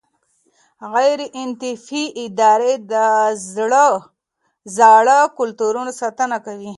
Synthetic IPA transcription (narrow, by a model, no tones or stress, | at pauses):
ɣajɾeʔɪnt̪ɪfiʔɪd̪ɑɾed̪əzɽə | zɑɽəkʊlt̪uɾunasɑt̪ənakawi